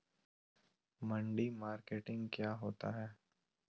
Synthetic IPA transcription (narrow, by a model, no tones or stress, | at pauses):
mə̃ɳɖimaːɾkeːʈɪ̃ŋɡkjaːɦoːt̪aɦɛː